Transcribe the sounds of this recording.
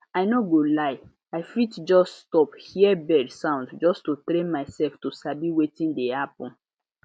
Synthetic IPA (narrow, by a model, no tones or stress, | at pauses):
aɪnoɡolaɪ | aɪfitd͡ʒɔsstɔphiɛbɛdsãʊ̃ndd͡ʒɔstotɾẽnmaɪsɛlftosabiwetĩndehapɔ̃n